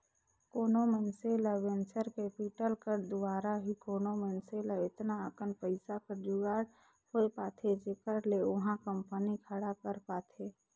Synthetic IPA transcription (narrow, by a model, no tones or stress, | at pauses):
koːnomẽnseləʋẽnt͡ʃəɾkepiʈəlkəɾd̪ʊwaːɾaɦikoːnomẽnselaɪt̪naəkənpəɪsakəɾd͡ʒʊɡaːɽ | hoepaːt̪ʰed͡ʒekəɽleʊɦãkə̃mpənikʰəɽakəɾpaːt̪ʰeː